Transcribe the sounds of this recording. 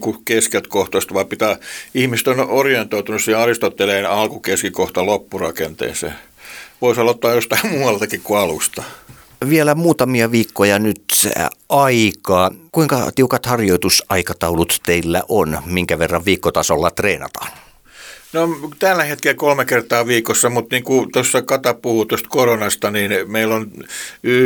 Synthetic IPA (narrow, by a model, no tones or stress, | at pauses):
kukeskelt̪koht̪ost̪ʋɑipit̪æːihmiset̪onorient̪oit̪unusieɑrist̪ot̪ːeleːnɑlkukeskikoht̪ɑlopːurɑkent̪ḛːsḛː | ʋoisɑlot̪ːɑːjjost̪ɑimmuːwɑlt̪ɑkikkuɑlust̪ɑ̥ | ʋielæmuːt̪ɑmiɑʋiːkːojɑnyt̪ɑikɑːkuiŋkɑ̰t̪iukɑt̪hɑrjoit̪usɑikɑt̪ɑulut̪t̪eilːæ̰ʔonmiŋkæʋerːɑʋʋiːkːot̪ɑsolːɑt̪reːnɑ̰t̪ɑ̥ːn | not̪ælːæhet̪kelkolmekert̪ɑːʋiːkosːɑmut̪niːŋkut̪osːɑkɑt̪ɑpuhut̪ost̪koronɑst̪ɑninmeilːony